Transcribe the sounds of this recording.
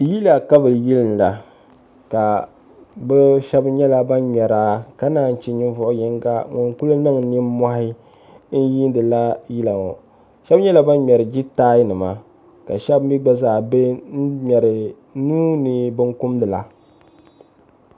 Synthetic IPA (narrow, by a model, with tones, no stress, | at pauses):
ji˦la˨ka˦bɨ˨ji˦lɨ˨n˨la˨ | ka˨ | bɛ˦ʃɛ˦bɲɛ˦la˦ba˦nm˨ɛ˨ɾaː˦ka˦naː˨n̩˨t͡ʃi˦ɲɪ˦n˦vʊ˦ʔʊ˦jɛ˦ŋɡa̰˦ŋɔ˨ŋku˦lɨ˦nɨ˦ŋ˨˦ni˦ma˦hɪ˦ | n̩˦ji˦n˦dɨ˨la˦ji˦la˨ŋɔ̰˨ | ʃɛ˦bɲɛ˦la˨ba˦n˦mʲ˨ɛ˨ɾɨ˨d͡ʒi˦taː˦jɪ˦nɨ˨ma˦ | ka̰˨ʃɛ˦bm̩˦bi˦ɡ͡ba˦zaː˦˨be˦n̩˦mʲɛ˨ɾɪ˨ | nuː˦nɨ˨bɨ˦ŋkʊ˦mdɨ˨la˨